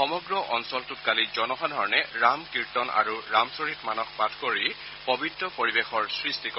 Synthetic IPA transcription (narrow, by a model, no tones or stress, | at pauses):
xɔmɔɡɹɔʔɔnsɔltutkalizɔnɔɦadʱɔɹɔnɛɹamkiɹtɔna̰ɹuɹamsoɹitmanɔkpatʰkoɹi | pɔbʱitɹɔpoɹibexɔɹsɹistikɔ